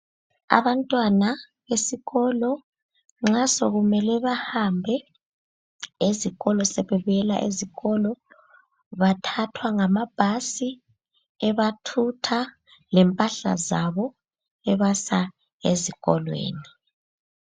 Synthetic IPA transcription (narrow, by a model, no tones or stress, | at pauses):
a̰βantʼwana | βesiɣɔlɔ | ŋ͡ǁasoɣumɛlɛβahambʱɛ | eziɣɔlɔsɛβɛβujɛla̰ʔḛziɣɔlɔ | βatʰatʰwaŋamab̥ʱasi | ɛβatʰutʰa | lɛmpʼaɬa̰zaβɔ | ɛβasa | eziɣɔlwḛːni